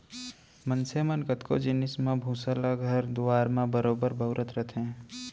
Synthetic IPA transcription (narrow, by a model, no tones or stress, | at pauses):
mənseːmənkət̪ko̰d͡ʒɪnɪsmẽbʱũːsəlaɡʱəɾd̪ʊwaːɾmãbəɾoːbəɾbʱəʊɾʔət̪ɾət̪ʰɦẽː